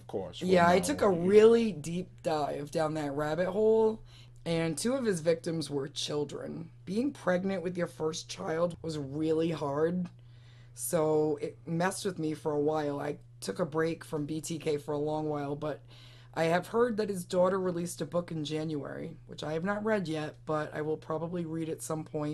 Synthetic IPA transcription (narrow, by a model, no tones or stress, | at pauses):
ʌv̥ʌ̥kʰɔ̰ɹsjæaɪtʰʊkəɹɪlˠidip̚d̥aɪvdãʊ̃nðɨt̚ɹæbɨt̚hoʊlˠ | ɨ̃ntʰʉʌv̥ɨzvɪk̚tɨ̃mzwə˞t͡ʃʰɪlˠdɹɨ̰̃nb̥iɪ̃ŋpʰɹ̥ɛɡ̚nɨ̃nʔwɨðjə˞fɜ˞st͡ʃʰaɪlˠd̚wʌzɹɪlˠihɑɹd̚ | soʊɪt̚mɛst̚wɨðmifə˞əwaɪlˠa̰ɪ | tʰʊkəbɹeɪkfɹʌ̃mbitʰikʰeɪfə˞əlɔ̃ŋwaɪlˠbʌɾ | ʔaɪɨv̥hɜ˞d̪̚ðɨt̚hɨzdɔɾə˞ɹilistɨbʊkɨ̃n̩d͡ʒæ̃njʉɛ̰ɹḭwɨt͡ʃaɪɨvnət̚ɹɛdjɛt̚b̥ʌɾa̰ɪwəlˠpʰɹ̥ɑbəbliɹiɾɨtsʌ̃mpʰɔ̃ɪ̃n